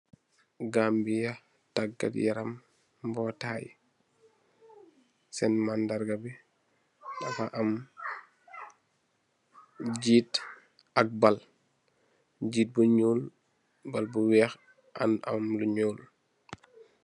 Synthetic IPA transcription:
ɡambija | taɡːa̰tjɛ̰ɾam | bɔːtaːj | sɛnmandaɾɡabɛ | dafaʔam | ɟiːt | ɐk̚bal | ɟiːt̚buɲuːl | balbuwɛːx | ʔa̰nʔa̰mluɲoːl

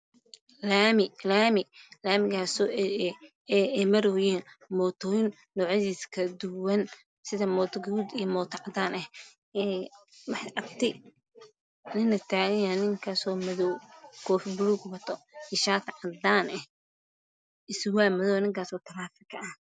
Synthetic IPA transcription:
lamɪlaːmɪlaːmɪɣaːsɔː | ɛɛmɐɾɔːjɛːn | mɔːt̪ʰɔːjnːɔːʕɪðiːskʰɐd̪ʊwɐn | sɪðɐmɔːt̪ʰɡud̪ijɐmɔːt̪ʰɐʕɑd̪aːnɛ | ɛwɑħʔɐb̚t̪ʰɪ | nɪnːɐt̪ʰaːɣɐjaːnːɪŋkʰaːsɔːmɐðɔwkʰɔːfbʊluːɡbɐt̪ʰɔɪʃaːt̪ʰʕɑd̪aːnɛh | ɪswaːmɐðɔːwnɪŋkʰaːsɔːt̪ʰɐlaːfɪkʰɐʔɐh

